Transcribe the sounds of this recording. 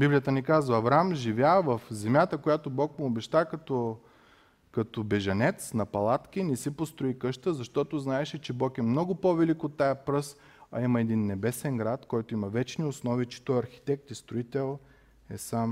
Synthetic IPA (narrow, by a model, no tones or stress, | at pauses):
biblʲijət̪ənikazvəːvɾamʒivʲjavɐfzɛmʲjat̪əkojat̪obɔkmɪobɛʃt̪akɐt̪o | kɐt̪obɛʒɐnɛt̪snɐpɐlˠat̪kinɛsipost̪ɾʊikɤʃt̪əzɐʃt̪ɔt̪oznaɛʃɛt͡ʃɛbɔkɛmnɔɡʊpovɛlikot̪ːajɐpɾɤs | ɐ̰imɐɛd̪inːɛbɛsɛŋɡɾat̪kɔjt̪ʊimɐvɛt͡ʃniʊsnɔvit͡ʃi̥t̪ɔjɐɾxi̥t̪ɛk̚t̪ist̪ɾʊit̪ɛlˠ | ɛsam